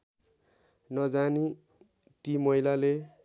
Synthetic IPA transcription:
nʌd͡zani | t̪imʌilale

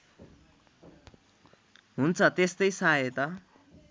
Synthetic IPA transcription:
ɦunt͡sʰʌt̪est̪ʌjsaet̪ʌ

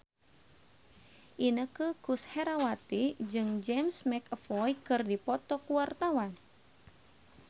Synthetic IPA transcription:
ʔinəkəkushɛɾawat̪id͡ʒɨŋd͡ʒɛmsmɛkəfɔjkɨrdipɔt̪ɔkuwart̪awan

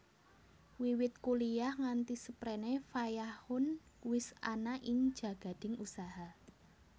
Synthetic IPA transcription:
wiwɪt̪̚kulijahŋant̪isəpɾɛnefajahʊnwɪsanaʔiɲ̥d͡ʒä̤ɡ̥a̤d̪̥ɪ̤ŋusaɦa

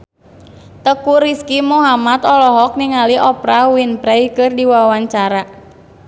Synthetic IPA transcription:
t̪əkuɾiskimuɦamat̪ɔlɔɦɔk̚niŋaliʔɔpɾawinpɾɛjkɨrdiwawaɲt͡ʃaɾa

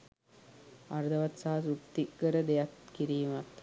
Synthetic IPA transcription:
aɾd̪əʋat̪saɦasut̪ːikːəɾəd̪ejat̪kiɾiːmat̪

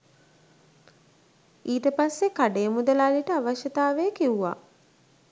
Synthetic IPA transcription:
iːt̪əpasːekaɖejəmud̪əlaliʈəaʋaʃət̪aːʋejəkiuʋa̰

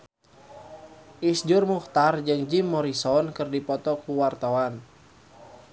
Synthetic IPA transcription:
ʔisd͡ʒʊrmuht̪ard͡ʒɨŋd͡ʒimːɔɾisɔnkɨrdipɔt̪ɔkuwart̪awan

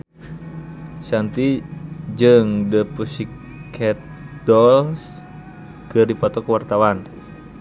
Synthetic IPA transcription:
sant̪id͡ʒɨŋdəpusikʰ | ɛt̪̚dɔls | kɨrdipɔt̪ɔkəwart̪awan

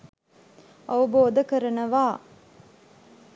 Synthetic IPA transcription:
ɐʋɐboːd̪ɐkəɾɐnɐʋaː

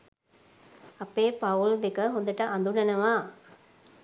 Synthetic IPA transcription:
ɐpːeːpɐuld̪ekɐɦond̪ɐʈɐʔɐnd̪uɳɐnɐʋaː

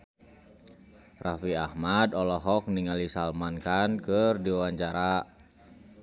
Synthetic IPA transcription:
rafiahmadɔlɔɦɔk̚niŋalisalmankankərdiwaɲt͡ʃaɾa

